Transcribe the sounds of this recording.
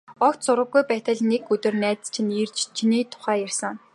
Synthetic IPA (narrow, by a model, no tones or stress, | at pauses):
ɔkt̪sʊɾʁə̆ɡːujpæːt̪ə̆ɮnekɵt̪ɵ̆rnæːt͡st͡ɕʰiniːrt͡ɕt͡ɕʰiniːt̪ʰʊ̥χæːjærsə̆ŋ